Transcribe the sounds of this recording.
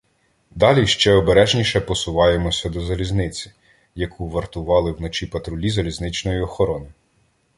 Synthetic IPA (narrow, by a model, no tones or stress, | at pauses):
d̪ɑlʲiʃt͡ʃɛɔbeɾɛʒnʲiʃɛpɔsʊʋɑje̞mɔsʲɐd̪ɔzɐlʲiznɪt͡sʲi̥ | jɐkʰuʋɐrt̪ʊʋɑlˠɪwnɔt͡ʃipɐt̪ɾʊlʲizɐlʲiznɪt͡ʃnɔjiɔxɔɾɔnɪ